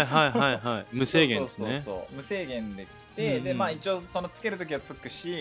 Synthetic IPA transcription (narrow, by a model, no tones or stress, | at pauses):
iɦaiɦaiɦaimɯ̟se̞ːɡẽnːessonːeso̰ːmɯ̟se̞ːɡẽ̞nd̪e̞kʲi̥t̪e̞d̪e̞maːit͡ɕio̞ːso̞no̞t͡sɨ̥ke̞ɾɯt̪o̞k̬ʲiβat͡sɨkɯ̟ɕi